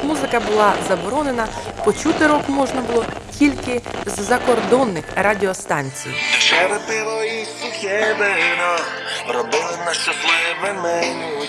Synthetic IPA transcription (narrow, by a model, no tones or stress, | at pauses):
muzɪkɐbʊlˠɑzɐbɔɾɔnenɐpɔt͡ʃut̪ɪɾɔkmɔʒnɐbʊlˠɔkʲilʲkɪzzɐkɔrd̪ɔnːɪxrɑdʲɪɔst̪ɑnʲt͡sʲḭjʃɛɾɪpɪlˠɔit̪ʊxʲɛbɛɪnɔ | ɾɔbɪlˠɪnɐʃɔt̪lˠɪmɛmɛ